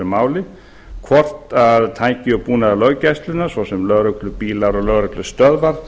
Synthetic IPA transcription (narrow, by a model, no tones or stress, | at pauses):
ʏmaːwlɪ | kʰvɔr̥t̪aðt̪ʰaːjcɪɔpuːnaðalœɣcajst̪lʏnːḁsvɔsɛmlœːɣɾœklʏpiːlaɾɔɣlœːɣɾœklʏst̪œðvaɾ